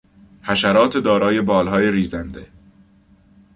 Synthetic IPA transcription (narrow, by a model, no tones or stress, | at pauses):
hæʃæɾɒːt̪ʰed̪ɒːɾɒːje̞bɒːlɦɒːje̞ɾiːzænd̪e̞